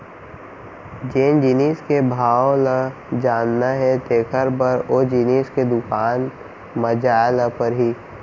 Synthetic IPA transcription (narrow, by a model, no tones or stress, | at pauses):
d͡ʒeːnd͡ʒiniːskebʱaːolə | d͡ʒaːnːaɦɛt̪eːkʰəɾbəɾoːd͡ʒiniːsked̪ʊkaːn | məd͡ʒaːləpəɾɦiː